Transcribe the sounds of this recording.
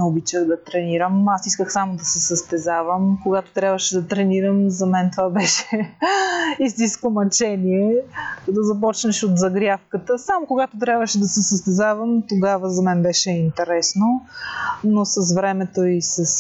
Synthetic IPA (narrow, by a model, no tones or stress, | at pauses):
nɛobit͡ʃəd̪ɐt̪ɾɛniɾəmasiskəxsamod̪ɐsɛsɐst̪ɛzavəmkoɡat̪ot̪ɾʲabvəʃɛd̪ɐt̪ɾɛniɾəmzɐmɛnt̪ovabɛʃɛ | ist̪inskomɐt͡ʃɛniɛd̪ɐzɐp̬ɔt͡ʃnɐʃot̪zɐɡɾʲafkət̪əsamokoɡat̪ot̪ɾʲabvəʃɛd̪ɐsɛsəst̪ɛzavəmt̪oɡavəzɐmɛnbɛʃɛint̪ɛɾɛsno | nosɐs̬vɾɛmɛt̪oisɐs